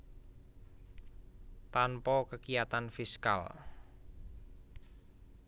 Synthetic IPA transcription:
t̪anpɔkəkijat̪anfiska̰l

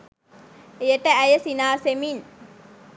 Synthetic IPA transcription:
ejəʈəæjəsinaːsemiɲ

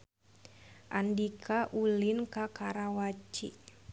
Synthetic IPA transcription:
ʔandikʰaʔulinkakaɾawat͡ʃḭ

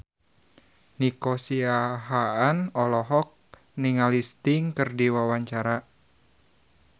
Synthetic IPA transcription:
nikosiaɦaanɔlɔɦɔk̚ | niŋalist̪ɪŋkɨrdiwawaɲt͡ʃaɾa

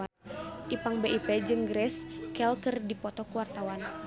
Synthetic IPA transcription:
ʔipaŋbeʔipɛd͡ʒɨŋɡɾɛskɛlkərdipɔt̪ɔkuwart̪awan

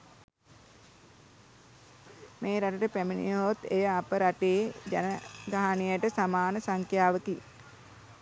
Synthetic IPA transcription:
meːɾaʈəʈəpæminḭot̪ejəapəɾaʈeːd͡ʒa̰nəɡaɦanijəʈəsamaːnəsaŋkjaːʋəki

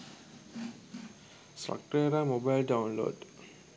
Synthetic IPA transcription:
sʈra̰k̚ʈɾeɾaːmobajlɖaunlo̰ːɖ

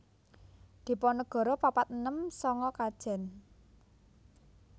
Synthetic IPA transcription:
d̪̥i̤pɔnəɡ̥ɔ̤ɾɔpapat̪̚ənəmsɔŋɔkad̥ʒ̥ɛ̤n

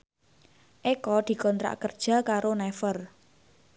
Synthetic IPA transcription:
ʔekɔd̪̥i̤kɔnt̪ɾa̰ʔkərd̥ʒ̥ä̤kaɾonɛfər

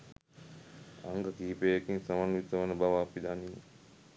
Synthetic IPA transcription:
aŋɡəkiːpeːekiŋsɐmaŋʋit̪əʋənəbaʋaːpid̪ani

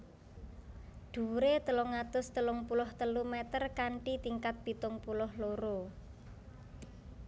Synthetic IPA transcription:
ɖ̪̥ṳɾet̪əlʊŋat̪ʊst̪əlʊŋpulʊht̪əlumɛt̪ərkaɳʈit̪iŋkat̪̚b̥i̤t̪ʊŋpulʊhloɾo

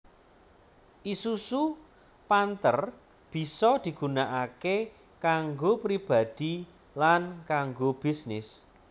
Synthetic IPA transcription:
ʔisusu | pant̪ər | b̥i̤sɔd̪̥i̤ɡ̥unaʔake | kaŋɡopɾib̥a̤d̪̥i | lankaŋɡob̥i̤snɪs

